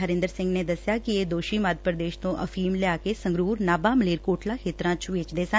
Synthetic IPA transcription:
ɦəɾɪ̃nd̪əɾsɪ̃ŋɡneːd̪əsɪjaːkɪeːd̪oːʃiːməːd̪̚ʱpɾəd̪eːʃt̪õːʔəfʰiːmleaːkeːsə̃ŋɡɾuːɾnaːbaːməleːɾkoːʈlãːkʰeːt̪ɾãːt͡ʃʋɪːt͡ʃd̪eːsə

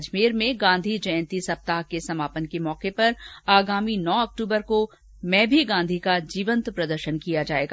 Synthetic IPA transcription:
d͡ʒmiːɾmẽɡãːnd̪ʱid͡ʒɐjə̃nt̪isɐp̚t̪aːɦkesɐmaːpənkemɔːqepɐɾaːɡaːminɔːɐk̚ʈuːbəɾko | mɛ̃ːbʱiɡãːnd̪ʱikad͡ʒiːʋə̃nt̪pɾɐd̪əɾʃənkijad͡ʒaːeːɡa

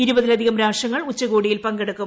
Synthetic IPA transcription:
iɾubɐðilɐd̪ʱiɣɐmɾaːʂɐŋːɐɭut͡ɕːɐɣoːɽijilpɐŋɡeɽukːum

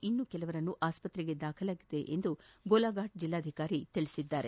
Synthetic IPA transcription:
inːukɛlɐʋɐɾɐnːuʔaːspɐt̪ɾɛɡe̞d̪aːkʰɐlaːɡid̪e̞ʔḛnd̪uɡolaːɡaːʈ̚d͡ʒilːaːd̪ʱikaːɾit̪iɭisid̪ːaːɾe̞

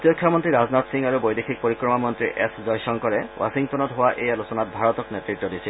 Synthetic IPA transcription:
t̪jɔkʰːjɔmɔntɹiɾaznat̪siŋaɹubojdexʰik̚poɹikɹɔmamɔnt̪ɹiʔḛszɔjsɔŋkɔɹɛwʔa̰siŋtɔnɔtɦowaʔʔejalusɔnat̚bʱaɹɔt̪ɔknetɹitːɔdisʰil

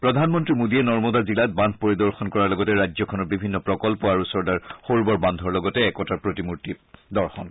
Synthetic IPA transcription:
pɹɔdʱanmɔntɹimodiɛnɔɹmɔdazilat̚bãnd̪̚ʱpoɹidɔɹxɔnkɔɹaɹlɔɡɔtɛɹajd͡ʒzɔkʰɔnɔɹbibʱinːɔpɹɔkɔlpɔaɹusɔɹdaɹxoɹbɔɹband̪ʱɔɹlɔɡɔtɛːkɔtaɹpɹotimuɹtidɔɹxɔn

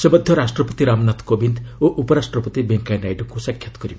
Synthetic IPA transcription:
sebʌd̪ʱjʌɾasʈrʌpɔt̪iɾamnat̪kobind̪oʔupɔɾasʈrɔpʌt̪ibeŋkajnajʈɔkusakʰjat̪ɡʌɾi

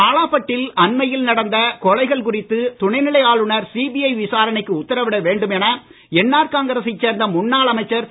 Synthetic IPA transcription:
aːlaːpɐʈːɪlɐnmɐjɪlnɐɽɐnd̪ɐkɔɻɐɪɣɐɭkʊrɪt̪ːɯt̪ʊɳɐɪnɪɭɐɪjaːɭɯɳɐɾsiːbijɐɪʋɪsaːɾɐnɪkːɯʊt̪ːɐɾɐʋɪɽɐʋeːɳɖɯmɛnɐ | ɛnːaːɾkaːŋɡɐɾɐsit͡ʃːeːɾnd̪ɐmʊnːaːɭɐmɐɪt͡ʃːɐɾ

